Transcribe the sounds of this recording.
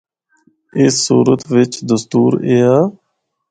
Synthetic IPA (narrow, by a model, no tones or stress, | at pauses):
ɪsːuːɾət̪ʋɪt͡ʃd̪əst̪uːɾeːaː